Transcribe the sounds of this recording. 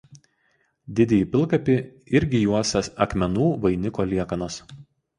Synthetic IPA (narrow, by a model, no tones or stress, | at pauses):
d̪ʲɪd̪ʲɛjiːˑpʲɪlˠkɐpʲɪ | ɪɾʲɡʲɪjuɔsʲɛsɐkmʲɛnuːʋɐɪnʲɪkoːlʲiɛkɐnos